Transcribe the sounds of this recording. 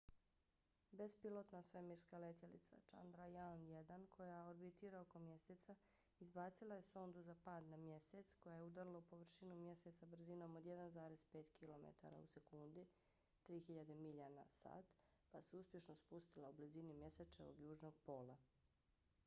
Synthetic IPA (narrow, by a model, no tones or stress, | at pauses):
bespilo̞t̪nasɾemiɾskalet̪jelḭt̪sa̰t͡ʃa̰nd̪ɾajanjed̪ankʰo̞jaoɾbit̪iːɾaoko̞mje̞set̪sa | izbaːt̪silˠaje̞so̞nd̪uzapaːd̪namje̞set̪sko̞jajeud̪aɾlˠopo̞ʋr̩ʃinumje̞se̞t̪sabr̩zino̞mod̪jed̪anzaːɾe̞speːt̪kʰilo̞mḛt̪a̰ɾa̰use̞kund̪i | t̪ɾiːxiʎad̪emiʎanasa̰ːt̪ | paseuspje̞ʃnospust̪ilˠaublizinimje̞set͡ʃeʋo̰ɡjuːʒnoɡ̚po̞ːlˠa